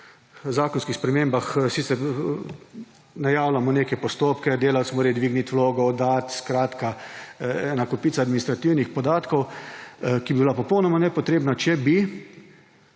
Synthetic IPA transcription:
zaːkɔnskixspɾɛmeːmbaxsiːt̪sɛɾ | najaːwlamɔneːkɛpɔst̪oːpkɛd̪eːlawt̪smoːɾajd̪ʋiɡnit̪wloːɡɔːd̪at̪skɾaːt̪ka | ɛnakɔpiːt̪saːd̪minist̪ɾat̪iwnixpɔd̪aːt̪kɔw | kibibilapɔpɔwnɔmanɛpɔt̪ɾeːbnat͡ʃɛbi

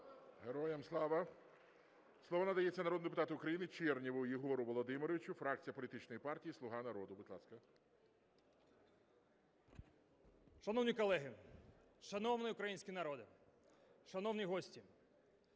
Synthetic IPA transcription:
ɦeɾɔjɛmslˠɑʋɐ | slˠɔʋɔnɐd̪ɐjɛt͡sʲːɐnɐɾɔd̪ʊd̪epʊt̪ɑt̪ɪʊkɾɐjinɪt͡ʃɛrnʲiʋʊjiɦɔɾʊʋɔlˠɔd̪ɪmɪɾɔʋʲit͡ʃʊfɾɑk̚t͡sʲijɐpɔlʲit̪ɪt͡ʃnɔjipɑrtʲijislˠʊɦɑnɐɾɔd̪ʊbɪt̪lˠɑskɐ | ʃɐnɔwnʲikɔlˠɛɦɪ | ʃɐnɔwnɪʊkɾɐjinʲsʲkʲinɐɾɔd̪ɪ | ʃɐnɔwnʲiɦɔsʲtʲi

